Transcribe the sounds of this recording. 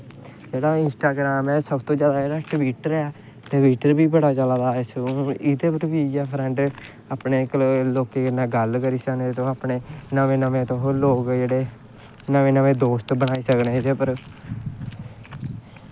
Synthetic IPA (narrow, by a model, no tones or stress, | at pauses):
d͡ʒeːɽaːɪnsʈaːɡɾaːmɛːsəbt̪õːd͡ʒjaːd̪aːd͡ʒeːɽaːʈʋiːʈəɾɛː | t̪eːʋiːʈəɾbiːbəɽaːt͡ʃəlaːd̪aːɛːsəoɪt̪eːpəɾbiːjaːpʰɾɛ̃ːɳɖ | aːpneːkloːkeːkɪnãːɡəlkəɾiːsəkneːt̪õːaːpneːnəʋẽːnəmẽːt̪õːɦoːɾloːkd͡ʒeːɽeː | nəʋẽːnəʋẽːd̪oːst̪bənaːiːsəkneːt̪eːpəɾ